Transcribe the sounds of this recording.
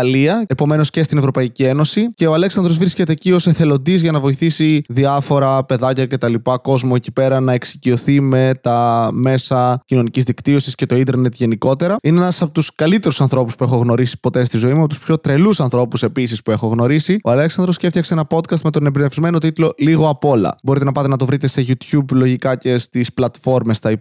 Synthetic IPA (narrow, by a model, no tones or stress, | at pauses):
ɐliɐepo̞me̞no̞sce̞st̪ine̞vɾo̞pɐicie̞no̞sice̞oɐle̞ksɐnd̪ɾo̞zvɾisce̞t̪e̞cio̞seθe̞lo̞nd̪izʝɐnɐvo̞iθisiðiɐfo̞ɾɐpe̞ðɐcɐce̞t̪ɐlipɐko̞zmoeci̥pe̞ɾɐnɐeksicio̞θime̞t̪ɐme̞sɐcino̞nicizðikt̪io̞sisce̞t̪o̞ind̪eɾne̞t̪ʝe̞niko̞t̪e̞ɾɐineenɐsɐpot̪uskɐlit̪e̞ɾusɐnθɾo̞puspue̞xo̞ɣno̞ɾisi̥po̞t̪e̞st̪izo̞imeɐpot̪u̥spço̞t̪ɾe̞lusɐnθɾo̞puse̞pisispue̞xo̞ɣno̞ɾisioɐleksɐnd̪ɾosceft̪çɐkseenɐpo̞t̪kɐst̪me̞t̪onebɾinefizme̞no̞t̪̬it̪lo̞liɣo̞ɐpo̞lɐ̰bo̞ɾit̪e̞nɐpɐt̪e̞nɐt̪o̞vɾit̪e̞se̞ʝut̪çublo̞ʝikɐce̞st̪isplɐt̪fo̞ɾme̞st̪ɐi